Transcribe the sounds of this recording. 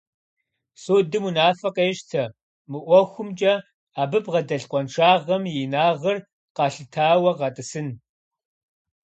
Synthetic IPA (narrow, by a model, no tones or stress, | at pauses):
soːdɨmunaːfɐqeːʃtʰɐ | mɨʔʷɔxʷʊmt͡ʃʼɐ | aːbɨpʁɐdɐɬqʷʼɔnʂʰaːʁɐmjɪnaːʁɐr | qɑːɬɨtʰaːwɐʁɑtʼɨsɨn